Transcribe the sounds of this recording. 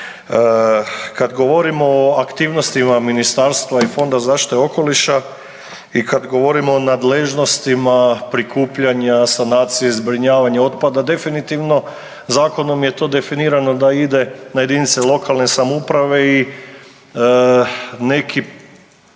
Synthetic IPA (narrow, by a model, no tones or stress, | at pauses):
kad̪ɡo̞ʋo̞ɾimo̞oakt̪iːʋno̞st̪imaminist̪aɾst̪ʋaifo̞nd̪azaːʃt̪i̥t̪eo̞ko̞liʃa | ikad̪ɡo̞ʋo̞ɾimoːnad̪leʒno̞st̪imapɾikʰuːpʎaɲasanaːt̪sijezbɾiɲaːʋaɲeo̞t̪pad̪ad̪e̞finit̪iʋno̞ | zaːko̞no̞mjet̪o̞ːd̪e̞finiːɾano̞d̪aid̪e̞najed̪init̪selˠo̞kalˠne̞samoupɾaʋe̞i | ne̞kʰi